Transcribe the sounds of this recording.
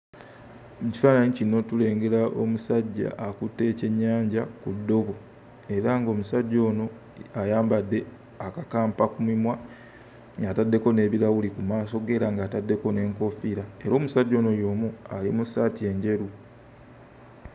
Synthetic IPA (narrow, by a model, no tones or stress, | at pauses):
ci̥faːnaɲicino̞tule̞ːŋɡe̞ɾaʔo̞̰musaɟːa̰ʔːkutːe̞ːce̞ɲːaːɲɟakudːo̞βo̞ | e̞ɾaŋɡo̞ːmusaɟːo̞ːno̞ | ajaːmbadːe̞ | akakaːmpakumimwa | ŋɡatadːe̞ko̞ne̞ːβiɾawulikumaːso̞ɡe̞ːɾaŋɡaːtadːe̞ko̞ne̞ːŋko̞fiɾae̞ɾo̞ːmusaɟːo̞ːno̞jo̞ːmualḭmusaːtie̞ːɲɟe̞ɾu